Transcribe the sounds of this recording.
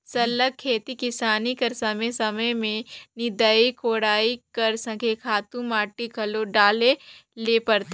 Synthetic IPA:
sɐlək̚ʰːeːt̪ikɪsaːnikɐɾsɐmesɐməjmẽnɪd̪aikoːɽaːikɐɾsə̃kʰekʰaːt̪ũmaːʈikʰɐloɖaːlelepɐɾt̪ː

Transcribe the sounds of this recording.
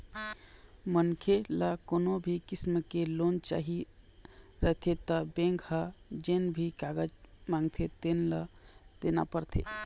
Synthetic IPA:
mənkʰeləkoːnobʱikismkelont͡ʃa̰ɦi | ɾəɦt̪ʰet̪əbẽŋkhəd͡ʒenbʱikaɡəd͡ʒmãŋɡt̪ʰet̪enləd̪ena̰pəɾt̪ʰḛ

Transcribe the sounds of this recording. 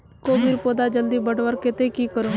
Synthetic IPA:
koːbiːɾpoːd̪aːd͡ʒəld̪iːbəɖʋəɾkɪt̪eːkiːkəɾoː

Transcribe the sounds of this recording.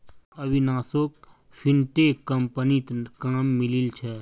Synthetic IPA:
ɐbinaːsok | pʰɪnʈeːkːəmpənit̪kaːmːɪlilt͡ʃʰɛ

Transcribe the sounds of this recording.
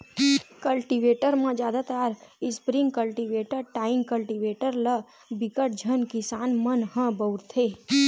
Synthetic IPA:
kəlʈiʋeʈəɾmãd͡ʒjaːd̪at̪aːɾɪspɾĩŋɡkəlʈiʋeʈəɾʈaːɪ̃ŋɡkəlʈiʋeʈəɾlə | bɪkəʈ̚d͡ʒʱənkɪsaːnmənɦə̃bəwɾt̪ʰe

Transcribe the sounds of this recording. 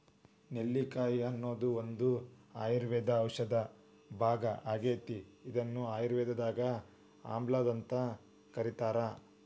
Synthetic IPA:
nelːikaːjiɐnːo̞ːd̪uond̪uaːjiɾʋɛːd̪ɐːwʂɐd̪ɐ | bʱaːɡɐʔaːɡeːt̪iid̪ɐnːuaːjiɾʋɛːd̪ɐd̪aːɡɐ | a̰ːmblaːd̪ɐnt̪ɐ | kɐɾit̪aːɾɐ

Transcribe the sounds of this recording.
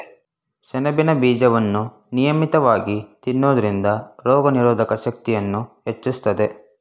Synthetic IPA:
t͡ʃɐnɐbinɐbiːd͡ʒɐʋɐnːu | nijɐmit̪ɐʋaːɡit̪inːoːd̪ɐɾind̪ɐɾɔːɡɐniɾoːd̪ʱɐkɐʃɐk̚t̪ijɐnːuɦet͡ʃːust̪ɐd̪e̞

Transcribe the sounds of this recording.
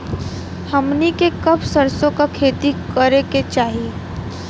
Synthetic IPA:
hɐmnikekɐbsəɾsõkakʰeːt̪ikɐɾeket͡ʃaːɦi

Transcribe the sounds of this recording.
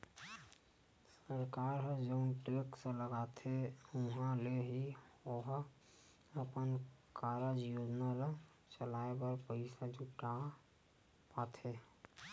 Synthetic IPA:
səɾkaːɾɦəd͡ʒəʊnʈeksə̃ləɡat̪ʰeʊɦãleɦioɦ | əpənkaɾad͡ʒijod͡ʒnaɾ | t͡ʃəlaebəɾpəɪsad͡ʒʱuʈa | pat̪ʰe

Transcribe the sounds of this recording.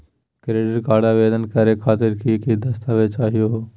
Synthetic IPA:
kɾeːɖəɾkaːɽaʋeːd̪ənkəɾekʰaːt̪ɪɾkikid̪ɐst̪aːʋet͡ʃaːɦijoɦoː

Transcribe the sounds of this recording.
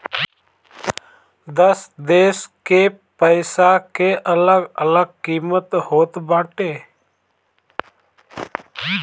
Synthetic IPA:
d̪əsd̪eːske | pəɪsakeʔələɡələɡ̚kiːmət̪hoːt̪baːʈeː

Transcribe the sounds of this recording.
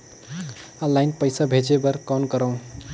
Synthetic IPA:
ə̃lːaɪnpəjsabʱed͡ʒebəɾkɔnkəɾəw̃

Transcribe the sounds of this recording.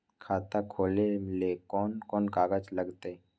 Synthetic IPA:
kʰaːt̪akʰoːlemɪlekɔːnkɔːnkaːɡəd͡ʒləɡt̪e

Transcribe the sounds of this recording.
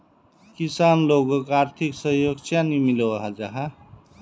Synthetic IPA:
kisanloɡokaɾt̪ʰiksəɦjoɡ̚t͡ʃanimiloaɦad͡ʒaɦa

